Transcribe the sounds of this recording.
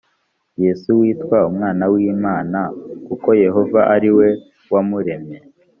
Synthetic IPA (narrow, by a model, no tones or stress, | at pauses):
jesuwiːtwaumŋaːnawiːmaːnakuko̞je̞ɦo̞vaʔaɾiwe̞ | wamuɾe̞me